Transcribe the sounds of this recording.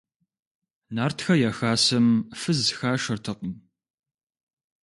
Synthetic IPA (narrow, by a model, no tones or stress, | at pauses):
naːrtʰxɐjaːxaːsɐmfɨzxaːʂɐrtʰɨqim